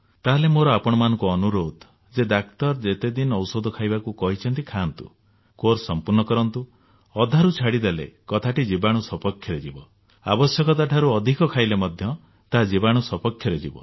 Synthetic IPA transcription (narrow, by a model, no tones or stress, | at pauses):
t̪aɦlemoɾɔapɔɽ̃ɔmanɔŋkuɔnuɾod̪ | d͡ʒed̪akt̪ɔɾd͡ʒet̪ed̪inɔwsod̪ʱɔkʰajbakukɔɦit͡ʃʰɔnt̪ikʰant̪ṵ | koɾsɔmpuɾnɔkɔɾɔnt̪u | ɔd̪ʱaɾut͡ʃʰaɽid̪elḛkɔt̪ʰaʈid͡ʒibaɽ̃usɔpɔkʰjɔɾed͡ʒibɔ | a̰bɔsjɔkɔt̪̬aʈʰaɾuɔd̪ʱikɔkʰajlemɔd̪ʱjɔ | t̪aɦad͡ʒibaɽ̃usɔpɔkʰjɔɾed͡ʒibɔ̰